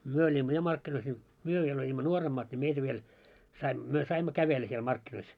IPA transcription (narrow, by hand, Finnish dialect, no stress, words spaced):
myø olʲimːo jɑ mɑrkːinois nʲi myø ʋiel olʲimːo nuoremːɑːt nʲi meitæ ʋiel sɑi myø sɑimːo kæʋelːæ siel mɑrkːinois